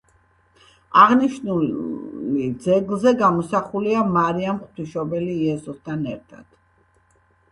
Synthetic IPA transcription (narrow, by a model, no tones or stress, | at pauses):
aʁniʃnulid̪zɛɡlˠzɛɡamɔsaχuliamaɾiamχt̪ʰiʃɔbɛliːɛsɔst̪ʰanɛɾt̪ʰa̰d̪̥